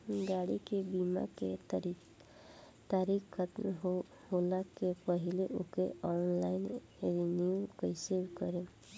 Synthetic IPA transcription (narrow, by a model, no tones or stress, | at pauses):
ɡaɽikebima̰ke | t̪aɾikkʰət̪m | holakepəɦileʔokeɔnlaɪn | ɾiniukəsebkəɾe